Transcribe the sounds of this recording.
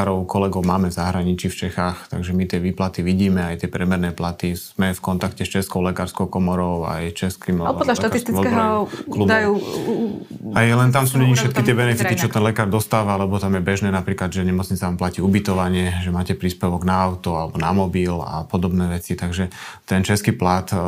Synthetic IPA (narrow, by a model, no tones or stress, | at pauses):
aɾɔʊkɔlɛɡɔʊmaːmɛzaɦɾaɲit͡ʃift͡ʃɛxaːxt̪a̰ɡʒɛmit̪ɪɛʋiːplat̪iʋiɟiːmɛajt̪ɪɛpɾɛmɛɾnɛːplat̪iz̥mɛfkɔnt̪akcɛst͡ʃɛskɔʊlɛkaːɾskɔʊkɔmɔɾɔʊa̰jst͡ʃɛskimapɔd̪laʃt̪atɾist̪imɔɛɦɔukːlud̪aju | ajɛlɛnt̪amsuːɲɛɲifʃɛt̪kit̪ɪɛbɛnɛfit̪itt͡ʃɔt̪ɛnlɛkaːɾd̪ɔst̪aːʋalɛbɔt̪amjɛbɛʒnɛːnapɾiːklad̪ʒɛɲɛmɔt͡sɲit͡saʋamplaciːubit̪ɔʋaɲɛʒɛmaːcɛpɾiːspɛʋɔɡnaaʊt̪ɔalɛbɔnamɔbila̰pɔd̪ɔbnɛːʋɛt͡sit̪aɡʒɛt̪ɛnt͡ʃɛskiːplat̪